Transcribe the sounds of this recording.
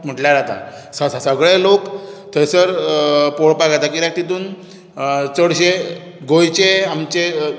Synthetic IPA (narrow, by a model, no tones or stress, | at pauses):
m̤əʈljaɾat̪a̰ | səsəɡɭelokt̪ʰəjsəɾpoɽpaɡat̪akiɾak̚t̪it̪uːn | t͡səɽɕe | ɡojt͡ɕeamt͡ɕe